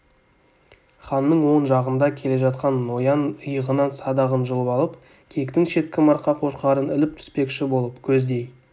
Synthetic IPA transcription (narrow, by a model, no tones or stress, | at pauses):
χɑnːəɴwo̞nʒɑʁənd̪ɑkʲʰe̞le̞ʒɑt̪qɑnːo̞jɑnəjəʁənɑnsɑd̪ɑʁənʒəlˠəpɑlˠəp | kʲʰe̞kt̪ɪŋʃe̞t̪̚kʲɪmɑɾqːɑqʰo̞ʃqɑɾənɪlɪp̚t̪ʰʏ̥spe̞kʃɪbo̞lˠəpkʲʰɵzd̪e̞j